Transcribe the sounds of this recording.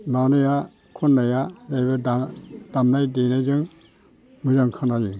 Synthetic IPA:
manɯja | kʰɔnːajazajbɯddamnajdenazɯŋ | mɯzaŋkʰanajɯ

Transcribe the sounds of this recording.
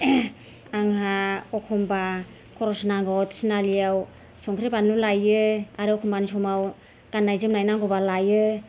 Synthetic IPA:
aŋɦaɔkʰɔmba | kʰɔɾɔsnaŋɡɔtsinaliaw | sɔŋkʰɾibanlulajɯaɾɯɔkʰɔmbanisɔmaw | ɡ̥anːajzɯmnajnaŋɡɔbalajɯ

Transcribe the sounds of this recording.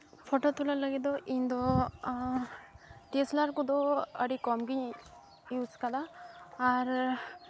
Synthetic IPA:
pʰɔʈɔt̪ulalaɡid̪ɔʔind̪ɔ | ʈeslaɾkɔd̪ɔəɖikɔmɡiɲ | juskad̪aː | ɾ

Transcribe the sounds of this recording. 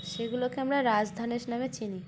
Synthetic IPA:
ʃeɡulokeamɾaɾad͡ʑd̪ʱaneʃnamet͡ɕʰini

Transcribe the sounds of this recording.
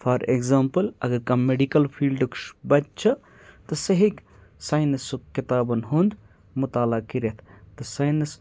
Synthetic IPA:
fʰɐɾḛɡzaːmpɐlɐ̰ɡɐɾkɐmːeɖikɐlpʰiːlɖɨkʃbɐt̪̚t͡ʃʰɐ | t̪ɐsɐɦik | saːjnɐsukːit̪aːbɐnɦund̪ | mut̪aːlakiɾet̪ʰt̪ɨsaːjnɐs

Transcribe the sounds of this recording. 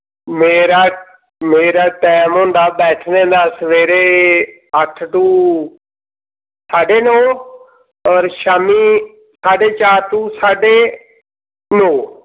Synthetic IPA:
meːɾaː | meːɾaːʈɛːmɦõːnd̪aːbɛːʈʰnẽːnd̪aːsəʋeːɾeː | əʈʰʈũː | saːɖeːnõː | ɔːɾʃaːmiː | saːɖeːt͡ʃaːɾʈũːsaːɖeː | nõː

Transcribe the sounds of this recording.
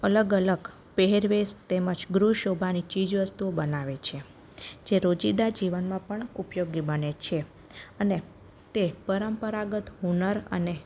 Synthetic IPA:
ələɡələɡ | peɦeɾʋest̪eməd͡ʒɡɾuʃobʱanit͡ʃid͡ʒʋəst̪uobənaʋet͡ʃʰe | d͡ʒeɾod͡ʒid̪ad͡ʒiʋənmãpəɳupjoɡibənet͡ʃʰe | əne | t̪epəɾəmpəɾaɡət̪ɦunəɾə̰ne

